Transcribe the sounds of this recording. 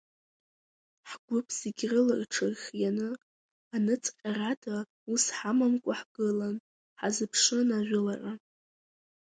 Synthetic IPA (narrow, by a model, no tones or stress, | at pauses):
ħɡʷʊpʰziɡʲrɨlarʈ͡ʂʰarχʲjanɨ | anɨt͡sʼqʲʼaratʰa | usħamamkʷʼaħɡ̥ɨlan | ħazɨpʰʂɨnaʒʷᶣʊlara